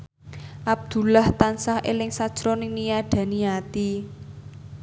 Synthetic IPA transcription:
ʔab̚d̪̥ṳlaht̪ansahʔelɪŋsad̥ʒ̥ɾɔnɪŋnijaɖ̪̥ä̤nijat̪i

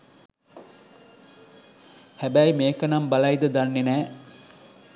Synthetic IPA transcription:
hæbæjmeːkɐnɐmbɐlɐjd̪əd̪anːenæː

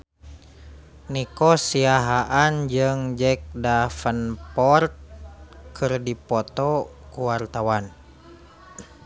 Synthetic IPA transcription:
nikɔsiaɦaʔand͡ʒɨŋd͡ʒɛk̚dafənpɔrt̪̚kɨrdipɔt̪ɔkuwart̪awan

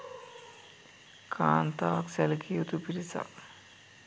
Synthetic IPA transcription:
kʰaːnt̪aːksɛlkʰiut̪upiɾit͡sa̰k

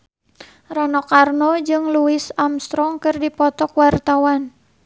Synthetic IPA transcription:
ranɔkarnɔd͡ʒɨŋluisamst̪ɾɔŋkɨrdipɔt̪ɔkwart̪awan

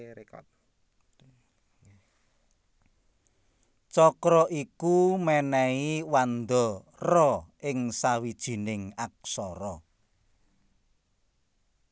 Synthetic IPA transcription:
t͡ʃɔkɾɔʔikumɛnɛiwand̪ɔ | rɔɪŋsawid̥ʒ̥i̤nɪŋak̚sɔɾɔ

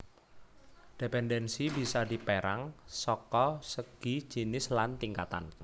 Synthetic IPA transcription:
d̥epɛndɛnsibisadi̤peɾaŋsɔkɔsəɡ̥i̥d͡ʒ̥i̤nɪslant̪iŋkat̪a̰n

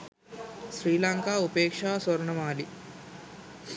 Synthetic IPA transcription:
sɾiːlaːŋkaːupeːkʂaːsɐɾɐɳɐmaːli

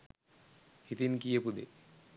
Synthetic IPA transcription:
hit̪inkijepud̪ḛ

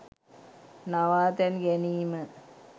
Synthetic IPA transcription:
naʋaːt̪ɛnɡeniːmə

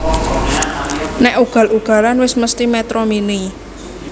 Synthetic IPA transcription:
nɛʔuɡ̥ä̤luɡ̥a̤lanwɪsməst̪imɛt̪ɾɔmini

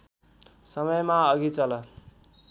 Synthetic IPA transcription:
sʌmʌjmaʌɡit͡sʌlʌ

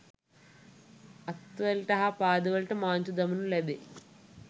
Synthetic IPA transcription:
ɐt̪ːʋɐlʈɐɦapaːd̪ɐʋɐlʈɐmaːnt͡ʃud̪ɐmunuled̪e

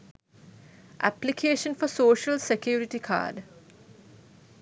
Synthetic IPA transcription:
ʔæ̰plikʰeːʃə̃nfɔsoːʃəlsekʰjuːɾiʈikʰa̰ːɖ

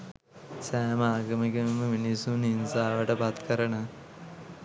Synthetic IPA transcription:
sæːmaːɡəməɡemːəminisuninsaːʋəʈəpat̪kəɾənə

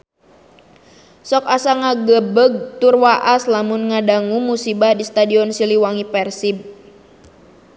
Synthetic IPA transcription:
sɔkasaŋaɡəbəɡ̚t̪urwaʔaslamunŋadaŋumusibahdist̪adiɔnsiliwaŋipɛrsib̚

